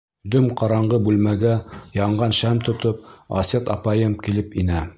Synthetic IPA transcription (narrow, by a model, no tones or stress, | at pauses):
d̪ɵmqɑɾɑɴɢɤbʉlmæɡæjɑɴɢɑnʃæmt̪ŏt̪op̚ɑ̰sʲet̪ɑ̰pɑjɤmkilɘpinæ